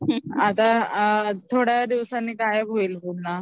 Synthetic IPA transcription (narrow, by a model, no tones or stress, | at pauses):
ɦat̪a | t̪ʰoɽjad̪iʋsanːiːkajɡʱoilɦona